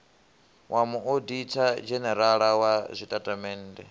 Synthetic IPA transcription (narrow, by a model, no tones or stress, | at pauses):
wʔamuoditʰad͡ʒɛnɛɾaɺawazʷitʼatʼamɛːndɛ